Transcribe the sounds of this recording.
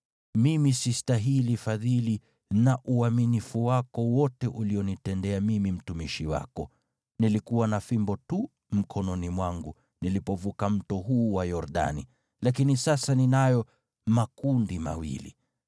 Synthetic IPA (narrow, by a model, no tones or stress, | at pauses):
mimisistaɦilifaðili | naʔuaminifuwakɔwɔtɛʔuliɔnitɛndɛamimim̩tumiʃiwa̰kɔ | nilikuwanafimbɔtu | m̩kʰɔnɔnimwaŋɡu | nilipɔvukam̩tɔɦuːwajɔɾɗa̰ni | lakinisasaninajɔ | makundima̰wḭlḭ